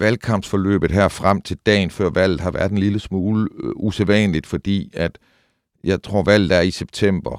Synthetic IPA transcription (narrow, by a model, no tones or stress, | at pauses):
ʋælkʰɑ̈m̰b̥sfɒ̽lø̰ːb̥ð̩ˠɦæɐ̰fʁam̰t͡sʰe̝ld̥ɛ̰ːnfɶɐ̰ʋæl̰ð̩ˠhɑ̈ʋæɐ̥enliləsmuːləuseʋɛ̰nlid̥fɒ̽d̥ḭːæd̥ | jɑ̈ɪt͡sʰʁo̝ɐ̰ʋæl̰ð̩ˠæɐiseb̥̚t͡sʰem̰b̥ɐ